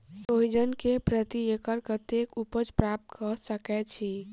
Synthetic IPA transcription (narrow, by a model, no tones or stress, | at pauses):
sojd͡ʒənkepɾət̪iekəɾkət̪ekupəd͡ʒpɾap̚t̪kəsəkɛt͡ʃʰi